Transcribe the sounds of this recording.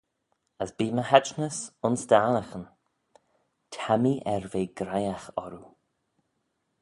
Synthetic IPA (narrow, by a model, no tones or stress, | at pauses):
əsbiːməhɛt͡ʃnəsʊnsd̪aːləxən | tʰamiʔɛɹveːɡɾajaxɔɾu